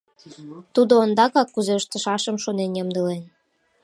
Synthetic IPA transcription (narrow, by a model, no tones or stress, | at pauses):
t̪ud̪oːnd̪ɑkɑkːuzeəʃt̪ə̆ʃɑʃə̆mʃonenjəmd̪əlen